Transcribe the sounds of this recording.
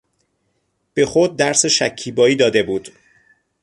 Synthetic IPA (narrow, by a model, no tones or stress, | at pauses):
b̥e̞xod̪̚ːæɾseʃæcʰːiːbɒːiːd̪ɒːd̪e̞buːd̪̥